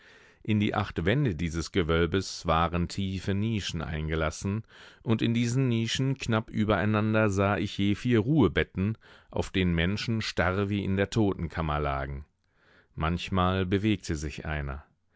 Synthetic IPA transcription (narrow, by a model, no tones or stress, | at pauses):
ʔɪndiːʔa̰χtv̥ɛndədiːzəsɡ̥əvœlbəsv̥aːʁəntʰiːfəniːʃn̩ʔa̰ɪnɡəlasn̩ʔʊntɪndiːzn̩niːʃn̩knapʔyːbɐaɪnandɐzaːʔɪçjeːfiːɐʁuːəbɛtn̩ʔa̰ʊfd̥eːnənmɛnʃn̩ʃtaʁviːʔɪ̰ndeːɐtʰoːtn̩kʰamɐla̰ːɡŋ̩ | mançmaːlbəveːk̚tʰəzɪçʔa̰ɪnɐ̰